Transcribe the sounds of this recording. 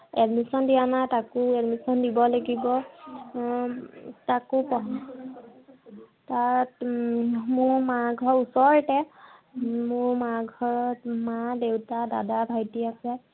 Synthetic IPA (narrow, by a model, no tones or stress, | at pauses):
ɛdmisɔndijanatakʊɛdmisɔndibɔlaɡibɔ | takupɔɦ | tat | mʊɹmaɡʱɔɹusɔɹtɛ | mʊɹmaɡʱɔɹɔtmadewtadadabʱajtiasɛ